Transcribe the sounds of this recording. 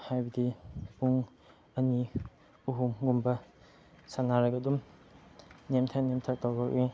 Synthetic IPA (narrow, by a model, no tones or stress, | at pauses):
hajbɐdipuŋ | ɐni | uɦumɡumbɐ | sanaɾaɡɐdum | nemtʰanemtʰak̚tawakɾi